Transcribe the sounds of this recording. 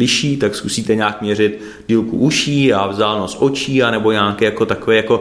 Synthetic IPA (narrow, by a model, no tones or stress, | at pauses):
lɪʃiːt̪akskusiːt̪ɛɲaːkmɲɛrɪt̪ | diːlkṵʔuʃiːavzaːlnosʔo̞t͡ʃiːanɛbo̞ɲaːkɛːjako̞t̪akovɛjako̞